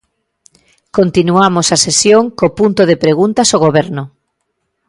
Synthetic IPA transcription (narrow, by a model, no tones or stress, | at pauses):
kont̪inuamosasesjoŋkopunt̪oðepɾeɣunt̪ɐsoɣ̞oβɛɾnʊ